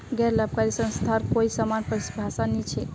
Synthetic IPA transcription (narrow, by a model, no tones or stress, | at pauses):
ɡɛɾləb̚kaɾisə̃nst̪ʰaɾkoisamanpəɾisbʱasanɛt͡ʃʰɛ